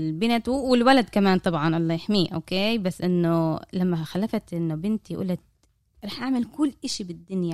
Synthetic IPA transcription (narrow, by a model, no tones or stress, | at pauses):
lbɪnat̪wwɪlwalad̪kamaːnt̪ˤɑbʕɑnʔɑlˤːɑːjɪħmiːʔo̰ːkeːbasːʔɪnːʊlamːaxalːafat̪ʔɪnːʊbɪnt̪iʔṵːlat̪̚ | ɾˤɑːħʔaʕmɪlkʊlːʔaʃibɪd̪ːʊnja